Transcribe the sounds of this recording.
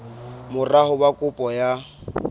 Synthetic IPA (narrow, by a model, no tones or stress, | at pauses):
mʊrahʊbakʼʊpʼɔja